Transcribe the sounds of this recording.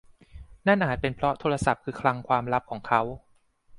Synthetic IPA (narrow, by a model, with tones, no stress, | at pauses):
na˥˩nʔaː˨˩t̪̚pe˧npʰɾɔ˦˥t̪ʰoː˧ɾa˧sa˨˩p̚kʰɯː˧kʰla˦˧˥ŋkʰwaː˧mɾa˦˥p̚kʰɔː˩˦ŋkʰa˦˥w